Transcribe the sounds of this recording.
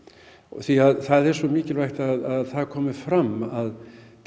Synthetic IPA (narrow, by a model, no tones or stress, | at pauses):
θiaðθaðɛɾ̥sɔmiːcɪlvajht̪aðaðθaðkʰɔːmɪ̥fɾamːaðt̪